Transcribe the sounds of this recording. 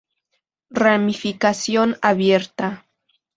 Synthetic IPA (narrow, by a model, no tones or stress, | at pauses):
ramifikasjonaβje̞ɾt̪a